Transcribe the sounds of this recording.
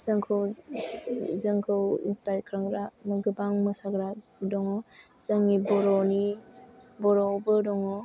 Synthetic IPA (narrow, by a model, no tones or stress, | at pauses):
z̥ɯŋkʰɯw | zɯŋkʰɯwḭnstaj̚kʰɾaŋɡɾamɯɡɯbaŋmɯsaɡɾa | dɔŋɔ | z̥aŋibɔɾɔni | bɔɾɔbɯdɔŋɔ